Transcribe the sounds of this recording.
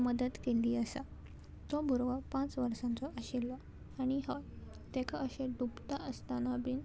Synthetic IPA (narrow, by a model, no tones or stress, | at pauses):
məd̪ət̪keliːəsa | t̪ɔbʱuɾʋapãt͡sʋəɾsãnt͡sɔʔəɕilːɔ | aɽ̃iɦɔ | t̪ekʰaəɕeɖupt̪aəst̪anabin